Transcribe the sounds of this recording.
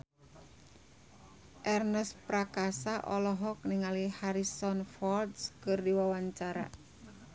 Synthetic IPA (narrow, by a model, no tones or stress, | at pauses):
ʔɛrnəspɾakasaʔɔlɔɦɔk̚niŋalihaɾisɔnfɔldskɨrdiwawaɲt͡ʃaɾa̰